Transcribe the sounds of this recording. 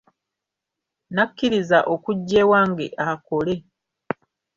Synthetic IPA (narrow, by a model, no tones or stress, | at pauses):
nakːiɾizaʔo̞kuɟːe̞ːwaːŋɡḛʔako̞le̞